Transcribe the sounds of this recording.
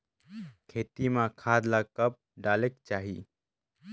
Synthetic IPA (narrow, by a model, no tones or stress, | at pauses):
kʰeːt̪imãkʰaːd̪lakəp̚ɖaːlekt͡ʃaːɦḭ